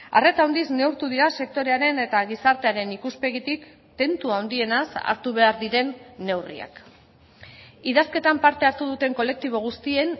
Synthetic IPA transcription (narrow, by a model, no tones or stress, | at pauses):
aret̪aond̪izne̞wɾt̪uðiɾase̞k̚t̪o̞ɾe̞aɾe̞ne̞t̪aɣisaɾt̪e̞aɾe̞nikuspe̞ɣit̪ik | t̪e̞nt̪uaond̪ie̞nasa̰ɾt̪uβ̞e̞aɾðiɾe̞nːe̞wrḭa̰k | iðaske̞t̪ampaɾt̪e̞aɾt̪uð̞ut̪e̞ŋko̞le̞k̚t̪iβ̞o̞ɣ̞ust̪ie̞n